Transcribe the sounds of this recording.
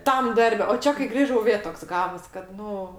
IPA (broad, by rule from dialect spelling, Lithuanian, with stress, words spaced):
ˈtɐm ˈdɐrʲbʲɛ oː ˈt͡ʃʲɛ kɐɪ ˈɡrʲiːʒɐʊ ˈʋʲeː ˈtoːks ˈɡɑːʋoːs kɐt ˈnʊ